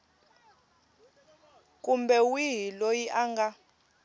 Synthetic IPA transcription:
kʼumbɛwiɦilojiʔaŋɡa

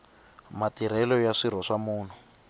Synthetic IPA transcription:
matiɾ̤ɛlɔjaʂiɾ̤ɔʂamuːn̤u

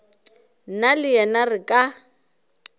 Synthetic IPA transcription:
nalɪjɛnarɪkʼa

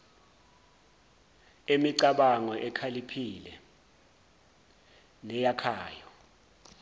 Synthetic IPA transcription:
emiǀaɓaŋɔʔɛkʰalipʰilɛ | nɛjakʰaːjɔ

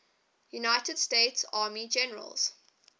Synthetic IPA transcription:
junaɪtəd̥steːtsɑːmid͡ʒɛnəɹə̰lz̥

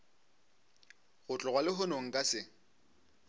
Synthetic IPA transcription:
ɣʊt͡ɬʼɔɣwalɪɦʊnoŋ̩kʼasɪ

